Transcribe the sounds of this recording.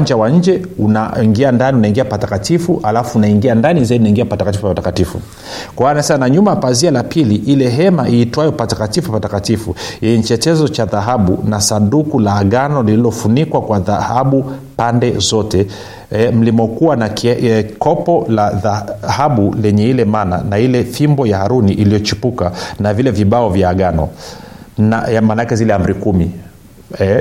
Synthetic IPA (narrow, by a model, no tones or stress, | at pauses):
aɲd͡ʒawaɲ̩d͡ʒɛunaiŋɡiandaniunaiŋɡiapatakatifuʔalafuːnaiŋɡiandanizaidinaiŋɡiapatakatifupaatakatifṵ | kwawanasɛmanaɲumapazialapiliʔilɛɦɛmaʔiːtwajɔpatakatifupatakatifujɛɲɛt͡ʃɛtɛzɔt͡ʃaðaɦaɓunasandukulaːɠanɔlililɔfunikwakwaðahaɓupandɛzɔtɛ | ɛm̩limɔkuwanakkɔpɔlaðahaɓulɛɲɛilɛmana̰nailɛfimbɔjahaɾuniʔilijɔt͡ʃipukanavilɛviɓaɔvjaːɠanɔ̰ | namaːnaakɛzilɛam̩ɾikumi | ɛ